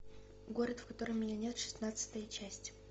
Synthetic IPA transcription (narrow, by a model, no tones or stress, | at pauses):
ɡo̞ɾət̪fkɐt̪o̞ɾəmʲɪnʲanʲet̪ʂɨ̥snat̪sɨ̥t̪əjət͡ɕæsʲtʲ